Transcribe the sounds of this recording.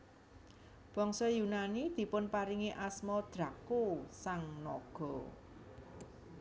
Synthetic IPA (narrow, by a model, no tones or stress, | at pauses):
b̥ɔŋsɔjunanid̪̥i̤pʊnpaɾiŋiʔasmɔd̪̥ɾakosaŋnɔɡ̥ɔ̤